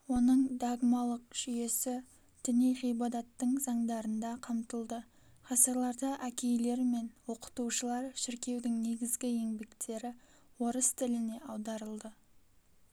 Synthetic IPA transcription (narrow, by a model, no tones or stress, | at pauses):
wo̞nəɴd̪aɡmɑlˠəq̚ʒ̥ʏje̞sɪ | d̪̥ɪnejʁijbɑd̪ɑt̪ːəɴzɑɴd̪ɑɾənd̪ɑqʰɑmt̪əlˠd̪ə | χɑsəɾlˠɑɾd̪əʔækʲe̞jle̞ɾme̞nwo̞qə̥t̪uʃəlˠɑɾʃɪɾkʲe̞wd̪ɪŋne̞ɡʲɪzɡʲɪe̞ŋbe̞kt̪ʰe̞ɾɪ | wo̞ɾəst̪ʰɪlɪne̞ɑwd̪ɑɾəlˠd̪ə